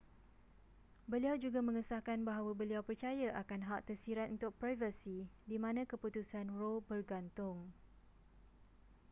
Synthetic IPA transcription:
bəliawd͡ʒuɡamə̃ŋəsahkanbaɦawabəliawpərt͡ʃajaʔakanɦaʔt̪ərsiɾat̪ʔunt̪ʊk̚pɾajvəsidimãnãkəput̪usanrobərɡant̪ʊŋ

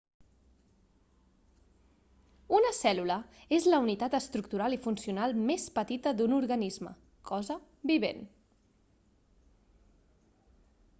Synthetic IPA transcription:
unəsɛluləezləunit̪at̪əst̪ɾukt̪uɾalˠifunsiunalˠmespət̪it̪əd̪unuɾɣənizmə̰ | kʰɔzə | biβḛn

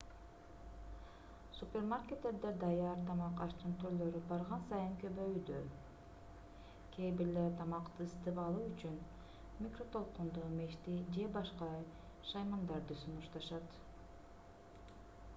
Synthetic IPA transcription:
supʲermarkʲet̪ːeɾd̪ed̪ɑjɑɾt̪ʰɑmɑqɑʃt͡ʃ̪ɯnt̪ʰyɾlø̞ɾybɑɾʁɑnsɑjɯŋkøbøjyd̪ø | kʲʰebiɾleɾt̪ʰɑmɑqt̪ɯːst̪ɯpɑlˠuːyt͡ʃyn | mʲikro̞t̪ʰo̞lˠqund̪umeʃt̪id͡ʒe̞bɑʃqɑj | ʃɑjmɑnd̪ɑɾd̪ɯsunuʃt̪ɑʃɑt̪

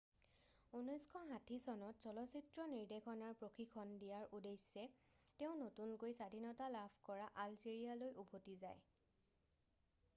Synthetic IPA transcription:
unɔjskʰɔɦãtʰisɔnɔtz̥ɔlɔsitɹɔniɹdekʰɔnaɹpɹokʰikʰɔndijaɹʔudejsɛtɛʊ̃notunkojsadʱinɔtalapʰkɔɹaʔalziɹialojʔubʱotizaj

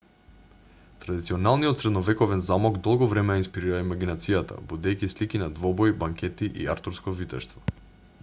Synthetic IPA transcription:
t̪ɾad̪it̪siɔnalˠniɔt̪sɾɛd̪nɔvɛkɔvɛnzamɔɡd̪ɔlˠɡɔvɾɛmɛjainspiɾiɾaimaɡinat̪sijat̪a̰bud̪ɛjkislikinad̪vɔbɔjbaŋkʲɛt̪iʔḭaɾt̪uɾskɔvit̪ɛʃt̪vɔ̥

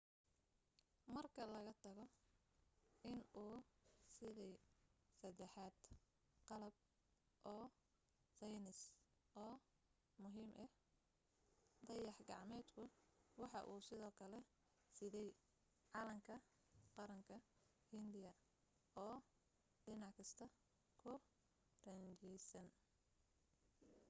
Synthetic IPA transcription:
mɐrkʰɐlɐɣɐt̪ʰɐɣɔ | ɪnuːsɪðɛjsɐd̪ɛħɑːd̪ | qɑlɐb̚ | ʔɔː | sɛjnɪsʔɔː | mʊɦiːmʔɛ | d̪ɐjɑħɡɑ̰ʕmɛːd̪kʰʊwɑħɑ̰ʔuːsɪðɔːkʰɐlɛ | sɪðɛj | ʕɑlɐŋkʰɐ | qɑɾɐŋkʰɐ | hɪnd̪ɪjɐ | ɔː | dɪnɑʕkʰɪst̪ʰɐ | kʰʊ | rɐnt͡ʃɛjsɐn

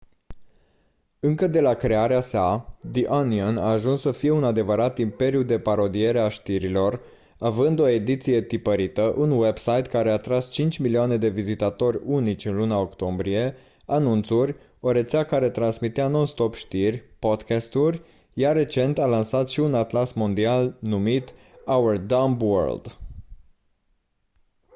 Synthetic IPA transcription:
ɨŋkəd̪e̞lakɾe̞aɾeasad̪iʔaniana̰ːʒunsːəfije̞unad̪e̞vəɾat̪impe̞ɾjud̪e̞paɾo̞d̪ije̞ɾeaʃt̪iɾilo̞r | avɨnd̪o̞e̞d̪it̪sije̞t̪ipəɾit̪əʔunwe̞bsajt̪kaɾe̞at̪ɾast͡ʃint͡ʃʲmiliane̞d̪e̞vizit̪at̪o̞rʲunit͡ʃʲɨnlunao̞kt̪o̞mbɾie̞ | anunt̪surʲ | o̞ɾe̞t̪seakaɾe̞t̪ɾansmit̪eanonst̪o̞pʃt̪irʲpo̞d̪kast̪uɾʲ | jaɾe̞t͡ʃe̞nt̪alansat̪ʃiunat̪lasmond̪ialnumit̪awərd̪ambwə̰rld̪

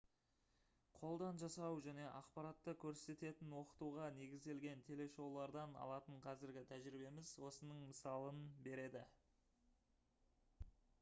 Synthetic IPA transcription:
qʰo̞lˠd̪ɑnʒɑsɑwʒæne̞ʔɑqpɑɾɑt̪ːəkʲʰɵɾse̞t̪e̞t̪ɪnwo̞qə̥t̪uʁɑne̞ɡʲɪzd̪e̞lɡʲe̞nt̪ʰe̞le̞ʃo̞wlˠɑɾd̪ɑnɑ̰lˠɑt̪əɴqʰɑzɪɾɡʲɪt̪ʰæʒɾibe̞mɪzwo̞sənəɴməsɑlˠənbe̞ɾe̞d̪ɪ

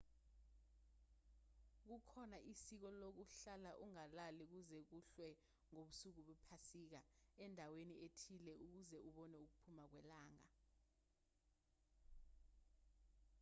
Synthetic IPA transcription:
k̬ukʰɔnaʔisik̬ɔlok̬uɬalaʔuŋalalik̬uzɛk̬uɬwɛ | ŋoɓusuk̬uɓupʰasik̬aɛndʱaweniʔetʰilɛʔuk̬uzɛʔuɓɔnɛuk̬upʰumak̬wɛlaːŋa

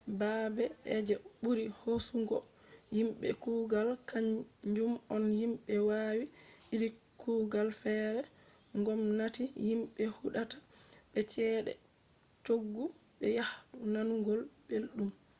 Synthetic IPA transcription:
baːbɛɛd͡ʒɛɓuɾihosuŋɡɔ | jimɓɛ̰kuɡalkaɲd͡ʒumɔnhimɓɛwaːwiiɾi | kuɡalfɛɾɛ | ŋɡɔmnatijimɓɛhuɗatḁɓɛt͡ʃɛɗɛ̰ | t͡ʃoɡːuɓɛjahɗunanuŋɡɔlbelɗum

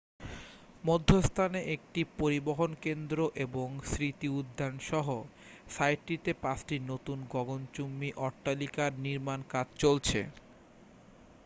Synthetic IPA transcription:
mod̪ʱːost̪ʰaneʔek̚ʈipoɾiboɦonkend̪ɾoʔeboŋsɾit̪iud̪ʱːanʃɔɦo | sajʈːit̪epãsʈinot̪unɡɔɡont͡ɕumːiʔɔɾʈːalikaɾniɾmankad͡ʑʱt͡ɕolt͡ɕʰḛ

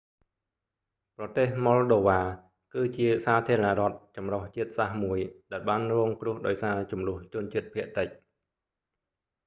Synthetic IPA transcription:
prɑt̪eːhmɔlɗoːʋaː | kɨːt͡ɕiəsaːt̪ʰiəɾənaʔrŏət̪̚t͡ɕɑmroht͡ɕiət̪̚sahmuəjɗaɛlɓaːnrɔːŋkrʊ̆əhɗaɔjsaːt͡ɕumlʊ̆əht͡ɕʊ̆ənt͡ɕiət̪̚pʰiəʔt̪əc̚

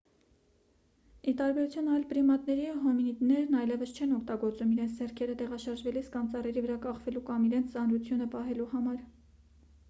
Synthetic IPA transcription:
it̪ɑɾbɛɾut͡sʰjunɑjlpəɾimɑt̪nɛɾiɦɔminit̪nɛɾnɑjlɛvəst͡ʃʰɛnɔkʰt̪ɑɡɔɾt͡sumiɾɛnt͡sʰd͡zɛrkʰɛɾət̪ɛʁɑʃɑɾʒvɛliskɑnt͡sɑrɛɾivəɾɑkɑχvɛlukɑmiɾɛnt͡sʰt͡sɑnɾut͡sʰjunəpɑɦɛluhɑmɑɾ

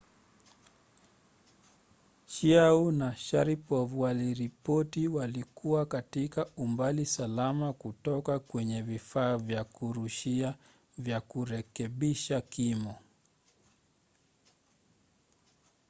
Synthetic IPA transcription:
ʃiaunaʃaɾipɔvuwaliɾipɔtiwalikuwakatikaumbalisalamakutɔkakwɛɲɛvifaːvjakuɾuʃia | vjakuɾɛkɛɓiʃakimɔ

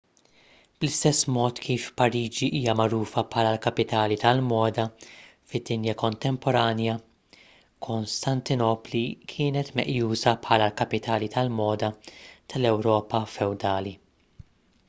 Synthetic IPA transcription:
b̥lɪst̪ɛsːmɔːt̪kʰiːfpɐɾiːd͡ʒiʔiːjɐmɐɾuːfɐpħɐːlɐlkɐpɪt̪ɐːlit̪ɐlmɔːd̪ɐfɪd̪ːɪnjɐkɔnt̪ɛmpɔɾɐːnjɐ | kʰɔnst̪ɐnt̪ɪnɔːplikʰɪːnɛt̪mɛ̰ʔjuːsɐpħɐːlɐlkɐpɪt̪ʰɐːlit̪ʰɐlmɔːd̪ɐt̪ɐlɛwɾɔːpɐfɛwd̪ɐːli

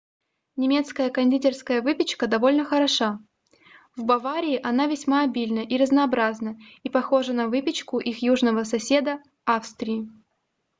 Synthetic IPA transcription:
nʲɪmʲe̞t̪skəjəkɐnʲdʲitʲɪrskəjəvɨpʲɪt͡ɕkəd̪ɐvo̞lʲnəxəɾɐʂa | vbɐvaɾʲɪːʔɐnavʲɪsʲmaɐbʲilʲnəʔiɾəznɐːbɾaznəipɐxo̞ʐənɐvɨpʲɪt͡ɕkʊʔixjuʐnəvəsɐsʲe̞d̪ə | afst̪ɾʲɪɪ

